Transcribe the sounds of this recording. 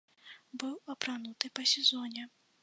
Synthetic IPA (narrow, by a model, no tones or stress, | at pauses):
bɨwɐpɾanut̪ɨpɐsʲɛzɔnʲɛ